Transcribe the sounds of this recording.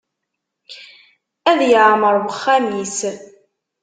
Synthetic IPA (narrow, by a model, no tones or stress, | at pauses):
æðjʕməɾˤwəχːæmis